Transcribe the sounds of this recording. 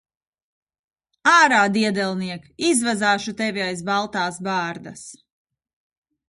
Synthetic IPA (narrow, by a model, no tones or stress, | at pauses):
aːɾaːd̪iɛd̪ɛlˠniɛkizvazaːʃut̪ɛvajsbalˠt̪aːsbaːɾd̪as